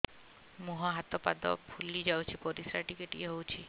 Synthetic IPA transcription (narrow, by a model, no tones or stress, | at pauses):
muɦaɦat̪ɔpad̪ɔ̰pʰulid͡ʒawt͡ʃʰipɔɾisɾaʈikeʈieɦowt͡ʃʰi